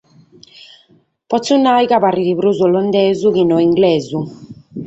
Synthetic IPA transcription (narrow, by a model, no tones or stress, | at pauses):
pɔt̪sunajɣaβariðiβɾuzɔlɔnd̪ɛːzuɣinɔiŋɡlɛːzu